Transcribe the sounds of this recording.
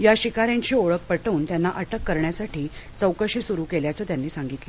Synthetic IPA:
jaɕikaɾjãɲt͡ɕiːoɭək̚pəʈəuːnt̪janːaʔəʈəkːəɾɳjasaʈiːt͡səwkəɕiːsuɾuːkeljat͡səːt̪janːiːsaŋɡit̪lə

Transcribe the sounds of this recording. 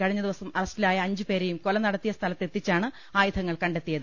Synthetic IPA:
kɐɻiɲːɐðiʋɐsɐmɐrɐstilaːjɐːɲd͡ʑɨpe̞ːɾejumko̞lɐnɐɽɐt̪ːijɐst̪ʰɐlɐt̪ːe̞t̪ːit͡ɕːaːɳɨ | aːjut̪ʰɐŋːɐɭkɐɳɖe̞t̪ːijɐðɨ

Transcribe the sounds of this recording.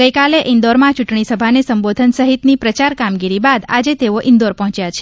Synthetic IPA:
ɡəjkaleʔɪnd̪oɾmãt͡ʃuʈɳisəbʱanesəmbod̪ʱənsəɦit̪nipɾət͡ʃaɾkamɡiɾibad̪a̰d͡ʒet̪eoʔɪ̃nd̪oɾpɔɦt͡ʃjat͡ʃʰe̥

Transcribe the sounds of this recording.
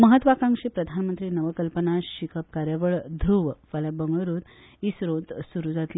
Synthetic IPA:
məɦət̪ʋakãŋʂepɾəd̪ʱanmənt̪ɾiːnəʋəkəlpənaɕikʰəp̚kaɾjaʋəɭd̪ʱɾuʋfaljabəŋɡɭəɾut̪ | iːsɾõt̪suɾud͡zat̪li

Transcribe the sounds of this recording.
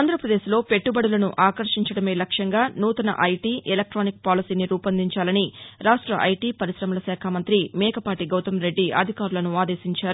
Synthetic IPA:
aːnd̪ʱɾɐpɾɐd̪e̞ːʃlo̞ːpe̞ʈːubɐɽɐlɐnuʔaːkɐɾʂiɲt͡ʃɐɽɐme̞ːlɐkʂɐŋɡaːnuːt̪ɐnɐ̰ʔɐjʈiːʔelɐk̚ʈɾoːnik̚paːlisiːniɾuːpɐnd̪iɲt͡ʃaːlɐniɾaːʂʈɾɐʔɐjʈiːpɐɾiʃɾɐmɐlɐsɛːkʰamɐnt̪ɾimɛːkɐpaːʈiɡɐwt̪ɐmɾe̞ɖːiʔɐ̰d̪ʱikaːɾulɐnuaːd̪eːsiɲt͡ʃaːɾu

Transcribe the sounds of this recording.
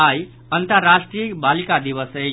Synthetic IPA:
aj | ənt̪əɾːasʈɾijəkbalikad̪iβəsə

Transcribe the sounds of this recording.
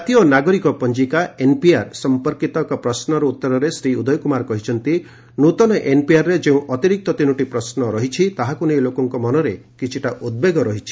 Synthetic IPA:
d͡ʒat̪iɔnaɡɔɾikɔpɔnd͡ʒikaenpiaɾsɔmpɔɾkit̪ɔkapɾɔsnɔɾɔut̪ːɔɾɔɾesɾiud̪ɔjɔkumaɾkɔɦit͡ʃʰɔnt̪i | nut̪ɔnɔʔenpiaɾːed͡ʒeũʔɔt̪iɾik̚t̪ɔt̪inuʈipɾɔsnɔɾɔɦit͡ʃʰit̪aɦakunejlokɔŋkɔmɔnɔɾekit͡ʃʰiʈaʔud̪̚beɡɔɾɔɦit͡ʃʰi̥

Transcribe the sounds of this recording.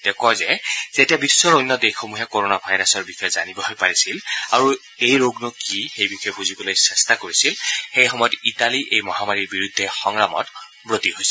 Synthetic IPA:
d̥ɛkɔjzɛz̥etiabisːɔɹojnːɔdexomuɦɛkoɹonabʱajɹasɔɹbixɔjɛzanibɔɦojpaɹisilaɹu | ejɹoɡnʊkixejbixɔjɛbuzibɔlojsɛstakoɹisilxejxɔmɔjɔtitaliʔejmɔɦamaɹiɹbiɹudʱːɛxɔŋɹamɔ̰t | bɹotiɦojsɛ

